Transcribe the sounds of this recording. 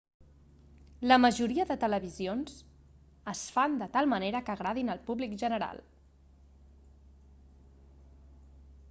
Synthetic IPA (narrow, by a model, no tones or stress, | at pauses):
ləməʒuɾiəðət̪ələβizionz | əsfand̪ət̪alˠməneɾəkəɣɾaðinəlˠpuβlikʒənəɾa̰lˠ